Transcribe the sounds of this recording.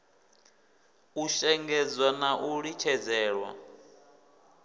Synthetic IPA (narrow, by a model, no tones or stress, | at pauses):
uʃɛŋɡɛd͡zwanaʔuɺit͡ʃʰɛd͡zɛːɺwa̰